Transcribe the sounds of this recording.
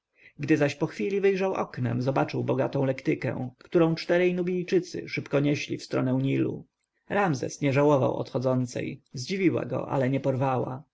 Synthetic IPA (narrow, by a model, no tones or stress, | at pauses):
ɡd̪ɘzaɕpɔxfʲilʲivɘjʐawʔɔ̰knɛ̰mzɔbat͡ʂɘwbɔɡat̪ɔ̃lɛkt̪ɘkɛ̰̃kt̪uɾɔ̃w̃t͡ʂt̪ɛɾɛjnubʲijt͡ʂɘt̪sɘ̰ʂɘpkɔɲɛɕlʲḭfst̪ɾɔnɛwɲilṵ | ɾamzɛ̰sɲɛʐawɔva̰wɔ̰t̪xɔd̪zɔnt̪sɛ̰jzd͡ʑivʲiwa̰ɡɔ̰ʔa̰lɛɲɛpɔɾvawa̰